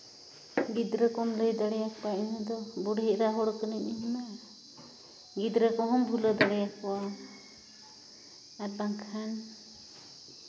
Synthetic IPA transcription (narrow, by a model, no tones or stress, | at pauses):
ɡid̪ɾəkɔmləjd̪aɽɛjak̚paʔɛnəd̪ɔbɔɽɦɛʔɾaɦɔɽkənəɲiɦɔna | ɡid̪ɾəkɔɦɔmbʱuləd̪aɽɛjak̚pɔwa | apaŋkʰan